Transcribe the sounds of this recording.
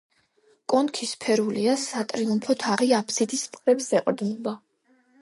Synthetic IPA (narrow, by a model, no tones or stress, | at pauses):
kʼɔnkʰispʰɛɾuliasat̪ʼɾiumpʰɔt̪ʰaʁiapʰsid̪ist̪ʼqʼɾɛpsɛqʼɾd̪nɔba